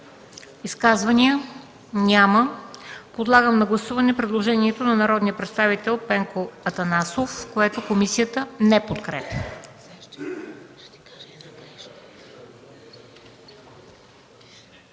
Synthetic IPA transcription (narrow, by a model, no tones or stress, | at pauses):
iskazvɐniə | nʲaməpod̪lˠaɡəmnɐɡlˠɐsuvɐnɛpɾɛd̪lˠoʒɛniɛt̪onɐnɐɾɔd̪nijəpɾɛt̪st̪avit̪ɛlˠpɛŋkoɐt̪ɐnasofkoɛt̪okomisiət̪ənɛpot̪kɾɛpə